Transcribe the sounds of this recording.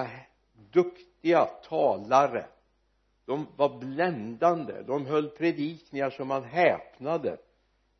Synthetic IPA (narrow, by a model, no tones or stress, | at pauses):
d̪ɵkt̪ɪɡat̪ʰɑːlaɾə̰ | d̪̥ɔmvaɾblɛnd̪and̪ə̰d̪ɔmɦœlːpʰɾɛd̪iːknɪŋaʂɔmhanɦɛːpnad̪ə̰